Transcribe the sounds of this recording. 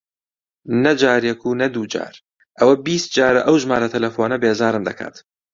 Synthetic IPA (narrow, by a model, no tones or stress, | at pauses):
nɐd͡ʒaːɾjɛkʰuːnɐd̪uːd͡ʒa̰ːɾ | ʔɐwɐbiːst̪̚d͡ʒaːɾɐʔɐwʒmaːɾɐt̪ʰɐlɐfoːnɐbeːzaːɾɨmd̪ɐkʰa̰ːt̪